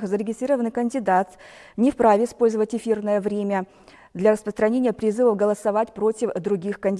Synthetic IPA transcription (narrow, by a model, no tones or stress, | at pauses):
xzəɾʲɪɡʲɪst̪ɾʲiɾəvənɨkənʲdʲɪd̪at̪nʲɪfpɾavʲɪɪspo̞lʲzəvətʲɪfʲirnəjəvɾʲemʲə | d̪lʲɐɾəspɾəst̪ɾɐnʲenʲɪjəpɾʲɪzɨvəvɡəlˠəsɐvatʲpɾotʲɪfd̪ɾʊɡʲixkənʲdʲ